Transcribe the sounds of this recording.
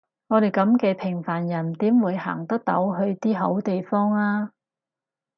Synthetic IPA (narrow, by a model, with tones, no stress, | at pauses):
ŋɔː˨˧ɾe˨jkɐ˨˧˥mkɛː˧pʰɪ˨˩ŋfaː˨˩njɐ˨˩nt̪iː˨˥mwuː˨˧jha̰ː˨˩ŋt̪ɐ˥k̚t̪o̰˨˥wɦɵ˧ɥt̪iː˥ɦo̰˨˥wt̪e˨jfɔː˥ŋaː˥